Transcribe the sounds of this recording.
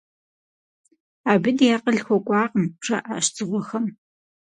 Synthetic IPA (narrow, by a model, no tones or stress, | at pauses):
aːbɨdjaːqəɮxʷɔkʷʼɑːqəmʂɐ̰ʔaːʃt͡sʼɨʁʷɔxɐm